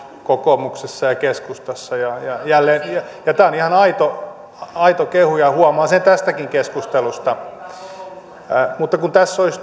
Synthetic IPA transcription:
kokomuksesːɑjɑkeskust̪ɑsːɑjɑjɑjælːeːnjɑjɑt̪æːonihɑnɑit̪o | ɑit̪okehujɑhuɑmɑːsent̪æst̪ækiŋkeskust̪elust̪ɑ | mut̪ːɑkunt̪æsːois

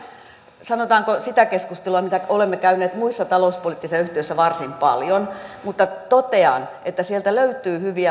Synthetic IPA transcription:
sɑnot̪ɑːŋkosit̪ækeskust̪eluɑmit̪æolemːekæyneːt̪muisːɑt̪ɑlouspolit̪ːisɑyht̪iøsːæʋɑrsimpɑ̰ljonmut̪ːɑt̪ot̪eɑ̰nʔet̪ːæsielt̪æløyt̪ˑyːhyʋiæ

